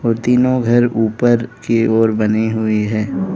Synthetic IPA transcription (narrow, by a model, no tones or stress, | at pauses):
ɔːɾt̪iːnõɡʱɐɾuːpəɾkeɔːɾbɐniɦʊiɦɛː